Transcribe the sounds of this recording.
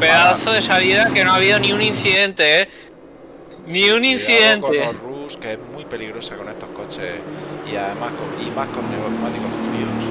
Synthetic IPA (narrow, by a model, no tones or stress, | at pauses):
peðaθoðe̞saliðake̞noaβ̞iðonĩũnĩnθiðe̞nt̪ee | nĩunĩnθiðe̞nt̪eruskeeɦmwipe̞liɣɾo̞sako̞ne̞st̪o̞hko̞t͡ʃḛiaðemahkoimahko̞nːeɾomat̪ikofɾios